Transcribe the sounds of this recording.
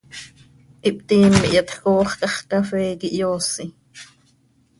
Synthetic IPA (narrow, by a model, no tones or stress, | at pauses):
ʔip̚t̪iːmːḭʔjɑt̪koːχkɑχt̪ɑfɛːkiʔjoːsi